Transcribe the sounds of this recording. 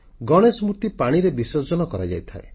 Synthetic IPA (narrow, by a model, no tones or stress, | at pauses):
ɡɔɽ̃esmut̪ipaɽ̃iɾebisɔd͡ʒɔnɔkɔɾad͡ʒa̰jt̪ʰae